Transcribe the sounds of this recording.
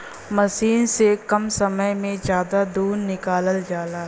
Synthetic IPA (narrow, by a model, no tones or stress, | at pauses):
mɐsiːnsekɐmsɐməjmẽd͡ʒjaːd̪ad̪uːnnɪkaːləld͡ʒaːlaː